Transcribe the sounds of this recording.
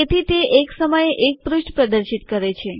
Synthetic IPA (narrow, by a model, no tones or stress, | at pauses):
et̪ʰit̪eʔeksəməjeʔek̚pɾuʃʈpɾəd̪əɾʃit̪kəɾet͡ʃʰe